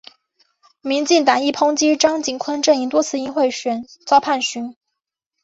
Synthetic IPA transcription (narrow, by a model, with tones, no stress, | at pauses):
mi˧˥nt͡ɕi˥˩ŋt̪ɑ˨˩ŋi˥˩pʰʊ˥ŋt͡ɕi˥ʈ͡ʂɑ˥ŋt͡ɕi˨˩nkʰə˥nʈ͡ʂə˥˩ni˧˥ŋt̪wɔ˥t͡sʰɹ̩˥˧i˥nxwe˥˩ɪɕɥɛ˨˩nt͡sɑ˥ʊpʰa˥˩nɕy˧˥n